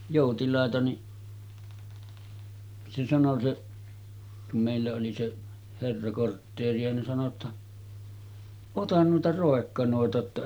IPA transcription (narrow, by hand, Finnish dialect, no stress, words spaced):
joˑutilɑˑetɑ ni se sɑno se kum meˑilːæ oli seʔ herːɑ kortːeːriɑ nin sɑno tːɑ otɑn nuitɑ roˑekːɑnoˑetɑ tːɑ